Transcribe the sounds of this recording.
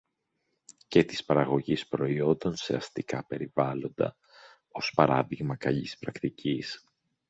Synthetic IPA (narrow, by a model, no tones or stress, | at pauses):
ce̞t̪i̥spɐɾɐɣo̞ʝispɾo̞io̞nd̪o̞nse̞̰ɐst̪ikɐpe̞ɾivɐlo̞nd̪ɐ̰ | o̞spɐɾɐðiɣmɐkɐʎispɾɐkt̪icis